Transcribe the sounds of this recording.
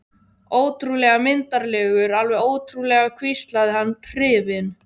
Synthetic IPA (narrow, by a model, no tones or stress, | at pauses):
oːwt̪ɾulɛːɣamɪnt̪aɾlɛːɣʏɾalvɛðoːwt̪ʰɾulɛːɣakʰvist̪laðɪhanːrɪːvɪn